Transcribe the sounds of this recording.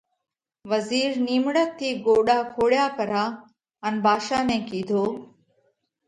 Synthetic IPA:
ʋəziːɾniːmɽək̚t̪ʰːiːɡoːɗaːkʰoːɽjaːpɐɾaː | ənbʱaːʃaːnẽːkiːd̪ʱoː

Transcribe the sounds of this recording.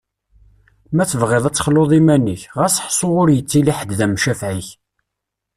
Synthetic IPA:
mæθəvʁɪðˤæt͡sːχloðˤimæniçʁæsħsˤoʁʊɾjət͡sːiliħəd̪ðæmʃæfʕiç

